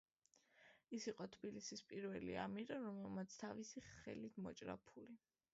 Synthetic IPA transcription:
isiqʼɔt̪ʰbilisispʼiɾvɛlḭa̰miɾaɾɔmɛlˠmat̪sʰt̪ʰavisiχɛ̰lit̪ʰmɔt͡ʃʼɾa̰pʰuli

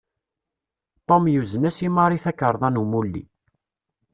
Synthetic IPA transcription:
t̪ˤomjuzənæsimɑɾˤiθækːəɾˤðˤɑnumulːḭ

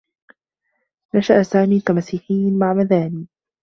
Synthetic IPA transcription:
naʃaʔsaːmiːt̪amasːiqiːnmaʕmaðaːniː

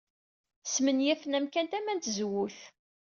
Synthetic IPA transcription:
smənjæθənæmkænt̪æmænt̪zwʊθ

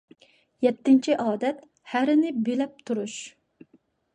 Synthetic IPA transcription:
jɛt̪ʰːɪnt͡ʃʰiʔɑːd̪ɛt̪ | hæɾɪnɪbelæp̚t̪ʰuɾuʃ

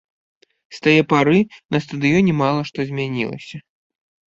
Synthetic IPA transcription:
st̪ajɛpaɾɨnɐst̪ɐd̪ɨjɔnʲɛmalˠɐʂt̪ɔzʲmʲanʲilˠɐ̰sʲɐ

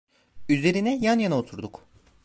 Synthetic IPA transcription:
yze̞ɾinɛjanjanaot̪ʰuɾd̪uk

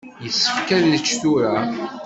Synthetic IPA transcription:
jəsːə̥fkælðət͡ʃːθuɾa

